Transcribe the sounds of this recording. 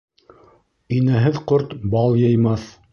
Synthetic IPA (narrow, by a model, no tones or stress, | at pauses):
inæɦɘðqoɾt̪bɑlˠjɤjmɑθ